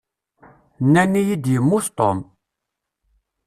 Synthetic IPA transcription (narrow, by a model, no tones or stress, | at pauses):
nanijid̪imust̪ɔ̰m